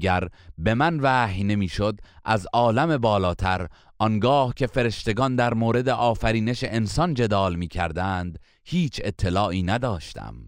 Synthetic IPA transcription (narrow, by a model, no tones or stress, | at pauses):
ɡæɾbe̞mænvæːhjne̞miːʃod̪ʔæzɒːlæme̞bɒːlɒːt̪ʰæɾ | ʔɒnɡɒːhcʰe̞fe̞ɾe̞ʃt̪e̞ɡɒnd̪æɾmoːɾe̞d̪eʔɒːfæɾiːne̞ʃeʔensɒnd͡ʒe̞d̪ɒːlmiːcʰæ̰ɾd̪ænd̪ | hiːt͡ʃʰe̞t̪ʰːe̞lɒːʔiːnæd̪ɒːʃt̪ʰæ̰m